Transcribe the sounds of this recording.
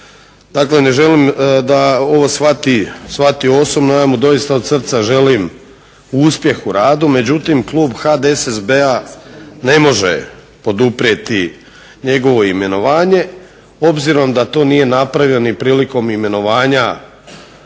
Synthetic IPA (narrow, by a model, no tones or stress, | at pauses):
d̪̥akle̞ne̞ʒe̞limd̪ao̞ʋo̞sʋat̪isʋat̪io̞so̞bnojamud̪o̞jist̪aod̪sr̩t̪saʒe̞lim | uuspje̞xuɾaːd̪ume̞d͡ʑut̪imklˠuːbxad̪esezbeane̞mo̞ʒḛ | po̞d̪upɾiet̪i | ɲe̞ɡo̞ʋo̞ime̞no̞ʋaːɲe̞ | o̞bziɾo̞md̪at̪o̞ːnije̞napɾaʋjenipɾiːliko̞mime̞no̞ʋaːɲa